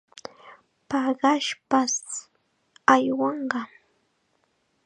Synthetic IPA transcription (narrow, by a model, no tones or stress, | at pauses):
pɑɢɑʃpas | ajwɑɴɢɑ